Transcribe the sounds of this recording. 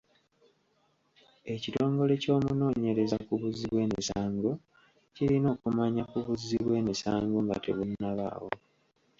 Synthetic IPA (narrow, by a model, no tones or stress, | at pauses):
e̞cito̞ːŋɡo̞le̞co̞ːmuno̞ːɲe̞ɾe̞zakuβuziβwe̞ːmisaːŋɡo | cilino̞ːkumaɲakuβuzːiβwe̞ːmisaːŋɡoŋɡa̰te̞̰βunːaβa̰wo̞̰